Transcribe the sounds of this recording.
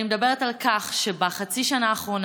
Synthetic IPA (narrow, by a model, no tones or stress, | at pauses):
imed̪abe̞ʁetalkaχʃebaχat͡siʃanaːχʁo̞n